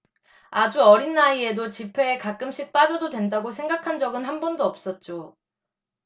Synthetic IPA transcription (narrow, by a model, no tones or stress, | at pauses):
ad͡ʑuʌɾinːaie̞dot͡ɕipʰe̞ːkak͈ɯmɕ͈ʰik̚p͈ad͡ʑʌdodwe̞ndaɡosʰe̞ŋɡakʰand͡ʑʌɡɯnɦanbʌndoʌp̚s͈ʌt̚t͡ɕ͈o